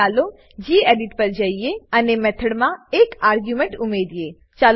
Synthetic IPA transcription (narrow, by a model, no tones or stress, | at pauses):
aːlo | d͡ʒiːeːɖɪʈpəɾd͡ʒaieənemɛt̪ʰəɽmãeːkaːɾɡjumẽɳʈʊmeːd̪ijeː | t͡ʃaːl